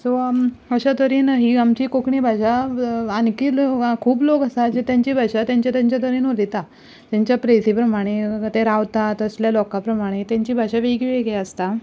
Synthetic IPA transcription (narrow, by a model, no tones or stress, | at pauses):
so | əɕat̪əɾiːnɦiamt͡ɕiːkokɳiːbʱaɕaankiːlkʰuːblokəsad͡ʑet̪jãɲt͡ɕiːbʱaɕat̪jãɲt͡ɕjat̪jaɲt͡ɕjat̪ʰəɾiːnolit̪a | t̪jaɲt͡ɕjapɾesipɾəmaɽ̃et̪eɾawt̪at̪əsljalɔkapɾəmaɽ̃et̪jãɲt͡ɕiːbʱaɕaʋeɡiʋeɡɛəst̪a